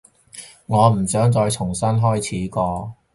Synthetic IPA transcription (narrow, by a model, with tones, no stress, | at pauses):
ŋɔː˨˧m̩˨˩sœː˨˥ŋt͡sɔː˧jt͡sʰʊ˨˩ŋsɐ˥nɦɔː˥jt͡sʰiː˨˥kɔː˧